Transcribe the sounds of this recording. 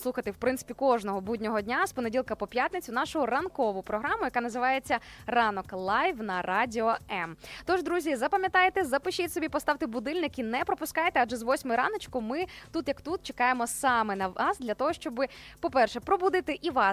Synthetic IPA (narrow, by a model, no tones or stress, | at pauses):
slˠuxɐt̪ɪwpɾɪnt̪sɪ̥pʲikɔʒnɔɦɔbudʲnʲɔɦɔdʲnʲaspɔne̞dʲilˠkɐpɔpʲjat̪nɪt͡sʲʊn̪ɑʃʊɦʊrɐnkɔʋʊpɾɔɦɾɑmʊjɐkanɐzɪʋɑjet͡sʲːɐrɑnɔklˠɑjʋnɐrɑdʲɪɔɛmt̪ɔʒd̪ɾuzʲizɐpɐmʲjɐt̪ɑjet̪ɛzɐpɪʃit̪sɔbʲipɔst̪ɑʋt̪ɪbʊd̪ɪlʲnɪkinɛpɾɔpʊskɑjt̪ɛad͡ʒɛzʋɔsʲmʊjɾɑ̰nɔt͡ʃkʊmɪt̪ut̪jɐkt̪ut̪̚t͡ʃekɑjemɔsɑmɛnɐʋɑsd̪lʲɐt̪ɔɦɔʃt͡ʃɔbɪpɔpɛrʃɛpɾɔbud̪ɪt̪ɪʔiʋɑ